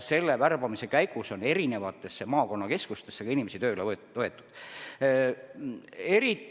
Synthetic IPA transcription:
se̞lːeværb̥ɑmise̞kæjɡuso̞ne̞ɾine̞vɑt̪ːˑe̞sːemɑːko̞nːɑke̞skust̪e̞sːekɑinimesit̪øːyle | oe̞t̪ˑːu̥d̪̥ | e̞ɾit̪ː

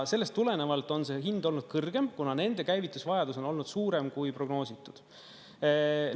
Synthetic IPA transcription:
se̞lːe̞st̪ːule̞ne̞vɑlt̪ˑo̞nse̞ːɦind̪o̞lnud̪̥kɤrɡ̥e̞mkunɑne̞nd̪e̞kæjvit̪ːˑusvɑjɑd̪uso̞no̞lnud̪̥suːɾe̞mkujpro̞ɡno̞ːsit̪ːˑud̪̥

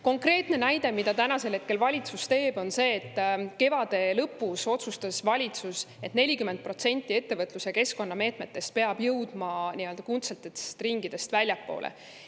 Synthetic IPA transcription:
ko̞ŋkre̞ːt̪ne̞næjd̪̥e̞mid̪̥ɑt̪ænɑse̞lhe̞t̪̚ke̞lvɑlʲit̪sust̪e̞ːb̥o̞nse̞ːt̪ːke̞vɑd̪̥e̞lɤpːˑuso̞t̪sust̪ɑsvɑlʲit̪suse̞t̪ne̞lʲikymend̪̚pro̞t̪se̞nʲt̪ʲˑːie̞t̪ːe̞vɤt̪luseke̞sko̞nːɑme̞ːt̪me̞t̪ːe̞st̪̚pe̞ɑb̥jɤwd̪̥mɑniøld̪ɑkunt̪selt̪ːee̥st̪riŋɡ̥id̪̥e̞st̪vælʲjɑpːo̞̰ːlʔḛ

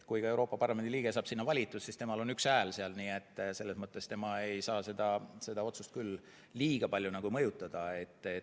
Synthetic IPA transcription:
kujkɑe̞wɾo̞ːpːˑɑpɑrlɑme̞nd̪iliːɡ̥e̞sɑːb̥sinːɑvɑlʲit̪ːˑussist̪e̞mɑlo̞nyksæːlseɑlniːe̞t̪ːˑse̞lːe̞smɤt̪ːˑe̞st̪e̞mɑe̞jsɑːse̞d̪̥ɑse̞d̪̥ɑo̞t̪sust̪kyl | liːɡ̥ɑpɑlʲjunɑɡ̥umɤjut̪ːˑɑd̪̥ɑe̞t̪ːˑe

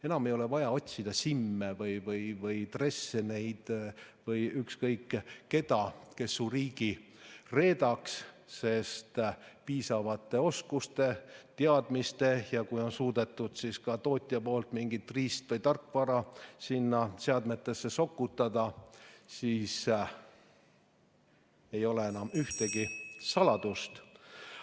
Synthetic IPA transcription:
e̞nɑmejo̞le̞vɑjɑo̞t̪ʲsid̪̥ɑsimːevɤjvɤjvɤjt̪re̞sːene̞jd̪̥vɤjykskɤjkːe̞d̪̥ɑke̞sːuriːɡ̥ire̞ːd̪ɑks | se̞st̪piːsɑvɑt̪ːˑe̞o̞skust̪e̞t̪eɑd̪̥mist̪e̞jɑkujo̞nsuːd̪̥e̞t̪ˑːud̪̥siskɑt̪o̞ːt̪ʲˑijɑpo̞ːlt̪miŋɡ̥it̪ːˑriːst̪vɤjt̪ɑrkːvɑɾɑsinːɑseɑd̪me̞t̪ːˑe̞sːe̞so̞kːut̪ːˑɑd̪̥ɑsiːs | e̞jo̞leenɑmyht̪e̞ɡ̥isɑlɑd̪̥ust̪

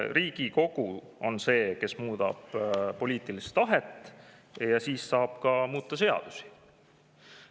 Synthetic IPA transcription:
riːɡ̥iko̞ɡ̥u | o̞nse̞ːke̞smuːd̪̥ɑ̰b̥po̞lʲiːt̪ˑilist̪ɑɦet̪ːˑ | jɑsiːsːɑːb̥kɑmuːt̪ˑːɑse̞ɑ̰d̪̥usi̥

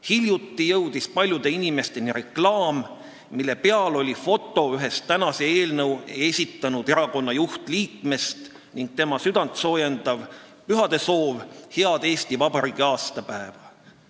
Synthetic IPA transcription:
hiljut̪ːijɤwd̪̥ispɑlʲjud̪̥e̞inime̞st̪e̞niɾe̞klɑːm | milːe̞pe̞ɑlo̞lʲifo̞t̪ːˑo̞yɦe̞st̪ːænɑse̞eːlnɤwe̞sʲit̪ːˑɑnud̪e̞ɾɑko̞nːɑjuht̪liːkme̞st̪ | niŋɡ̥̚t̪e̞mɑsyd̪̥ɑnt̪so̞ːjend̪ɑv | pyɦɑd̪̥e̞so̞ːvheɑd̪̥e̞ːst̪ivɑbɑɾiɡ̥iɑːst̪ɑpæevɑ

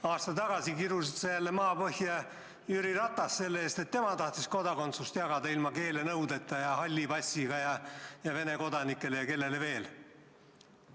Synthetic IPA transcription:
ɑːst̪ɑt̪ɑɡ̥ɑsikiɾusisejælːemɑːpɤhjɑ | jyɾirɑt̪ːˑɑsːe̞lːeeːst̪e̞t̪ːe̞mɑt̪ɑht̪isko̞d̪ɑko̞nt̪sust̪jɑɡ̥ɑd̪ɑilmɑke̞ːle̞nɤwd̪e̞t̪ˑːɑjɑhɑlʲːibɑsʲiɡ̥ɑjɑjɑve̞ne̞ko̞d̪ɑnikːˑe̞le̞jɑke̞lːe̞le̞ve̞ːl

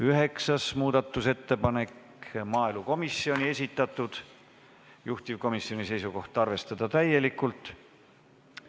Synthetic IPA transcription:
yɦe̞ksɑsmuːd̪̥ɑt̪ːˑuse̞t̪ːe̞pɑne̞k | mɑːeluko̞misːio̞nʲie̞sʲit̪ˑːɑt̪ːˑud̪̥ | juht̪ivko̞misːio̞nise̞jsuko̞ht̪ˑɑrve̞st̪ɑd̪̥ɑt̪æje̞likːult̪ˑ

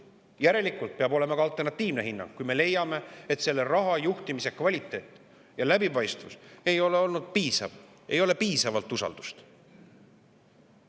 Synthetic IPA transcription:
jæɾe̞likːˑult̪̚peɑbo̞le̞mɑkɡɑɑlt̪ːˑe̞rnɑt̪ːˑiːvne̞ɦinːɑ̰ŋɡ̥̚kːujme̞le̞jɑme̞et̪se̞lːe̞rɑɦɑjuht̪imise̞kvɑlʲit̪ːˑe̞ːt̪ːˑ | jɑlæbipɑjst̪vuse̞jo̞le̞o̞lnud̪̥̚piːsɑ̰v | e̞jo̞le̞piːsɑvɑlt̪ːˑusɑ̰ld̪̥u̥st̪

